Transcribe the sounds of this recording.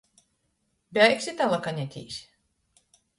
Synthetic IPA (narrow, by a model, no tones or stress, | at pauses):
bʲajksʲit̪alakanʲɛt̪ʲḭːsʲ